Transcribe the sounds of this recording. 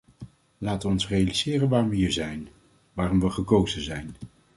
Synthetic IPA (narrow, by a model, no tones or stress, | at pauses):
laːtəʋəɔnsrejaliz̥ɪːrənʋaːrʋəɦiːɹzɛjn | ʋaːrɔmʋəχəkowzənzɛjn